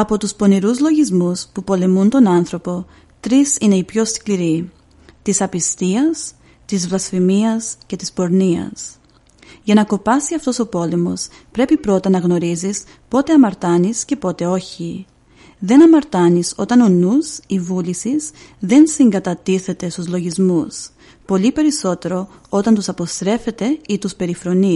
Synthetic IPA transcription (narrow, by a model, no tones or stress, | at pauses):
ɐpo̞t̪uspo̞niɾuzlo̞ʝizmuspupo̞le̞munt̪o̞nɐnθɾo̞po̞ | t̪ɾisine̞ipço̞skliɾi | t̪isɐpist̪iɐs | t̪izvlɐsfimiɐsce̞t̪ispo̞ɾniɐ̰s | ʝɐnɐko̞pɐsiɐft̪o̞so̞po̞le̞mo̞s | pɾe̞pipɾo̞t̪ɐnɐɣno̞ɾizis | po̞t̪e̞ɐmɐɾt̪ɐnisce̞po̞t̪e̞o̞çi | ðe̞nɐmɐɾt̪ɐniso̞t̪ɐno̞nusivulisiz | ðe̞nsiŋɡɐt̪ɐt̪iθe̞t̪e̞st̪uzlo̞ʝizmus | po̞lipe̞ɾiso̞t̪e̞ɾo̞o̞t̪ɐnt̪usɐpo̞st̪ɾe̞fe̞t̪e̞it̪uspe̞ɾifɾo̞ni